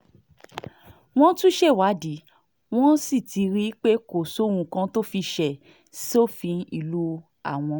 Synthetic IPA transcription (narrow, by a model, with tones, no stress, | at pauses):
w̃ɔ̃˦tũ˦ʃe˦˨wa˨˦di˨˦ | w̃ɔ̃˦si˦˨ti˧ɾi˦k͡pe˦ko˨so˨˦˨ũ˧kã˧to˦fi˧ʃɛ˨ | si˦o˦˨fĩ˧˦i˦˧˨lu˦ | a̰˦˨w̃ɔ̃˧